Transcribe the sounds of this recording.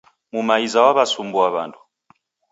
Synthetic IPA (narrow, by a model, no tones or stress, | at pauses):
mumaizawaβasumbuaβandu̥